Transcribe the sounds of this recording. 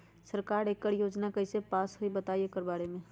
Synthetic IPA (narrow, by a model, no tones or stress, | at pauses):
səɾkaːɾeːkːəɾjoːd͡ʒnakəɪsepaːsɦoibɐt̪aːiekəɾbaːɾemẽ